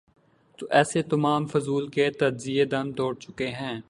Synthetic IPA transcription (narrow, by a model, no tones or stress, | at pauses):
t̪oʔɛːset̪ɐmaːmfʊzuːlket̪ɐd͡ʒzied̪ɐnt̪oːɽt͡ʃʊkeɦɛ̃ː